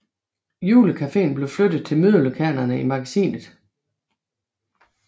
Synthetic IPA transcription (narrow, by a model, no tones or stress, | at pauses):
juːləkʰæfe̝̰ːnb̥le̝ʊflød̥ð̩ˠt͡sʰe̝lmyðˠləkʰæɐnɐnəimɑ̈ɡ̥æsḭːnð̞̩ˠ